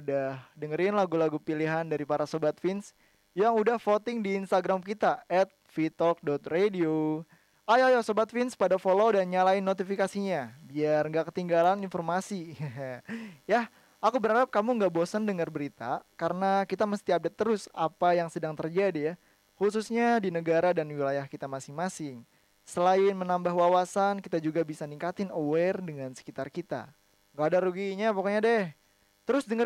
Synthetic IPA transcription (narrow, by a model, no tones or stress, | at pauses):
udahdəŋəɾɪnlaɡulaɡupiliɦandaɾipaɾasobat̪̚fɪns | jaŋudahfot̪ɪŋdiːnst̪aɡɾamkit̪aɛt̪̚fit̪ɔk̚dɔt̪̚redio | ajajasobat̪̚fɪnspadafolodanɲalaɪnːot̪ifikasiɲabiarŋɡaʔkət̪iŋɡalaninfɔrmasi | ja | akubəɾadap̚kamuŋɡaʔbosəndəŋərbəɾit̪a̰kaɾənakit̪aməst̪iap̚dɛt̪ːəɾʊsapajaŋsədaŋt̪ərd͡ʒadija | hus̬usɲadinəɡaɾadanwilajahkit̪amasɪŋmasɪŋ | səlaɪnmənambaɦwawasankit̪ad͡ʒuɡabisaniŋkat̪ɪnowɛrdəŋansə̥kit̪arkit̪a̰ | ŋɡaːdaɾuɡiɲapokoɲadɛh | t̪əɾʊsdəŋə